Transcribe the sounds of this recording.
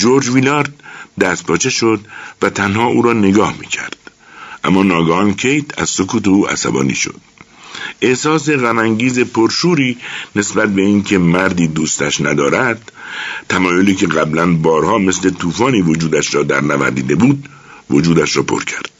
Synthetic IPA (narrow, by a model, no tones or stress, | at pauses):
d͡ʒoɾd͡ʒvilɒːɾd̪̚d̪æst̪̚pʰɒːt͡ʃʰe̞ʃo̞d̪væt̪ʰænhɒːuːɾɒːne̞ɡɒːhmiːcʰæ̰ɾd̪̥̚ | ʔæmːɒːnɒːɡɒhɒncʰejt̪ʰæzso̞kʰuːt̪euːʔæ̰sæ̰bɒ̰ːnḭːʃo̞̰d̪̥ | esɒːs̬e̞ɣæmæŋɟiːze̞pʰoɾʃuːɾiːne̞sbæt̪̚be̞iːncʰe̞mæɾd̪iːd̪uːst̪æʃnæd̪ɒːɾæd̪̥t̪ʰːæmɒːjoliːcʰe̞ɣæblænbɒːɾhɒːme̞sle̞t̪ʰuːfɒːniːvo̞d͡ʒuːd̪æʃɾɒːd̪æ̰ɾnævæ̰ɾd̪iːd̪e̞buːd̪̚ | vod͡ʒuːd̪æʃɾɒːpʰo̰ɾcʰæ̥ɾd̪̥